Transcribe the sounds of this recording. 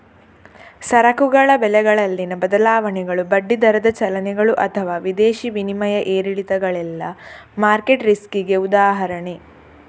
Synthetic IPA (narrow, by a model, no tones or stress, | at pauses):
sɐɾɐkuɡɐɭɐbɛlɛɡɐɭɐlːinɐbɐd̪ɐlaːʋɐnɛɡɐɭubɐɖːid̪ɐɾɐd̪ɐt͡ʃɐlɐnɛɡɐɭuʔɐt̪ʰɐʋaːʋid̪eːʃiʋinimɐjɐʔeːɾiɽit̪ɐɡɐɭɛlːɐmaːɾkeʈɾiskiɡeud̪aːɦɐɾɐɳe